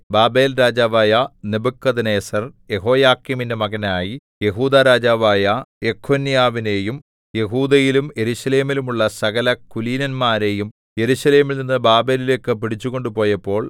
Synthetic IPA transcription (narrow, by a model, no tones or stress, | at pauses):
baːbe̞ːlɾaːd͡ʑaːʋaːjɐnebukːɐðineːsɐrje̞ɦo̞ːjaːkːimindemɐɡɐnaːji | je̞ɦuːd̪aɾaːd͡ʑaːʋaːjɐekʰːoːnːijaːʋine̞ːjum | je̞ɦuːd̪ɐjilumje̞ɾuɕɐle̞ːmilumuɭːɐsɐɣɐlɐkuliːnɐnmaːɾe̞jum | je̞ɾuɕɐle̞ːmilninːɨbaːbe̞ːlile̞ːkːɨpiɽit͡ɕːuɣo̞ɳɖupo̞ːjɐpːo̞ːɭ